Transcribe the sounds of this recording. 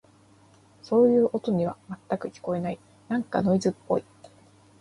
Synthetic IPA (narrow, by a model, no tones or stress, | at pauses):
so̞ːjɯ̟ːʔo̞t̪o̞ɲ̟iβ̞amat̪ːakɯ̟kʲi̥ko̞e̞nai | nãŋka̰no̞izɨpːo̞̰i